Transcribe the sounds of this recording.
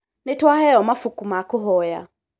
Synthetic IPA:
nitwahɛɔmafukumakuɦɔja̰

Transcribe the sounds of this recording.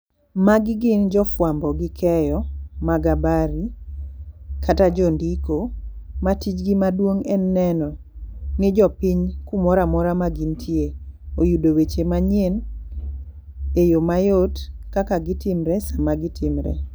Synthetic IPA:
maɡɪɡɪnd͡ʒɔfwambɔɡɪkʰɛjɔmaɡabaɾi | kʰatad͡ʒɔndikomatit͡ʃɡimadwoŋɛnːɛnɔ | nɪd͡ʒɔpiɲkumɔɾamɔɾamaɡintʰjeojudowet͡ʃemaɲjen | ejomajotkakaɡɪtɪmɾɛsamaɡɪtʰɪmɾɛ̰

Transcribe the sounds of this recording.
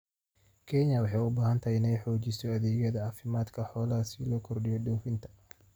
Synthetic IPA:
kʰɛɲɐwɑħɑjʊbaːhɐnt̪ʰɐɪnɛjħɔːt͡ʃɪsɔɐðɛːɣɐðɐʕɑːfɪmaːd̪kʰɐħɔːlɐɐsiːlɔkʰɔrɖɪjɔɖɔːfɪnt̪ʰɐ̥

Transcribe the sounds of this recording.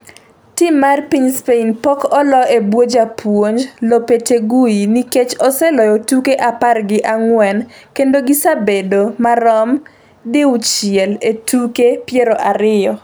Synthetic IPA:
timːarpiɲspeinpɔkɔlɔebwod͡ʒapʰwoɲd͡ʒlopeteɡuiniket͡ʃɔsɛlɔjɔtukeʔaparɡɪʔaŋwɛnkendoɡisabedomaɾɔm | dɪut͡ʃɪɛletukepjeɾoʔaɾɪjɔ

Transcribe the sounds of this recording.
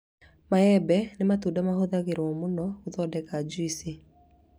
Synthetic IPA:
maɛbɛnematuːdamahoðaɣeɾɔmonɔoðɔdɛɣad͡ʒuise

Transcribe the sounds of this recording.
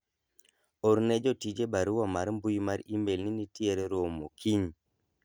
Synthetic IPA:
ɔɾned͡ʒɔtid͡ʒebaɾuwamaɾmbujmaɾimbelninitieɾɛɾomokʰiɲ

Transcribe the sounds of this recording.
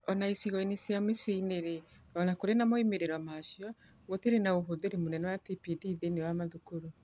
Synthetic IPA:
ɔnaisiɣɔinesjamisiineɾe | ɔnakoɾenamɔimeɾeɾwamaʃjɔ | woteɾenaoɦoðeɾemonɛnɔwatipidiðenewamaðukoɾo

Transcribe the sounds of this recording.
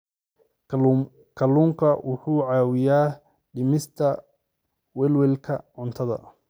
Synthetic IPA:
kʰɐluːŋkʰɐwʔʊħuːʕɑːwɪjaː | ɖɪmɪst̪ʰɐ | wɛlwɛlkʰɐʕʊnt̪ʰɐðɐ̰

